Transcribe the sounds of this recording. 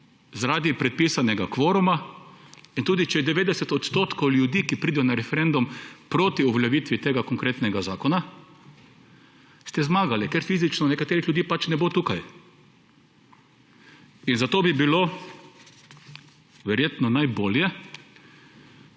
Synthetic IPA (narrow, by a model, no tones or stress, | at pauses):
zaɾaːd̪ipɾɛt̪̚piːsanɛɡakʋoːɾuma | int̪uːd̪it͡ʃɛjɛd̪ɛʋeːd̪ɛsɛt̪ɔt̪st̪oːt̪kowljud̪iːkipɾiːd̪ɛjɔnaɾɛfɛɾend̪umpɾoːt̪iuʋljaʋiːt̪ʋit̪eːɡakɔŋkɾeːt̪nɛɡazaːkɔna | st̪ɛzmaːɡalɛkɛɾfiːzit͡ʃnɔnɛkat̪eːɾixljud̪iːpat͡ʃnɛbot̪uːkaj | inzat̪oːbibilo | ʋɛɾjeːt̪nɔnajboːljɛ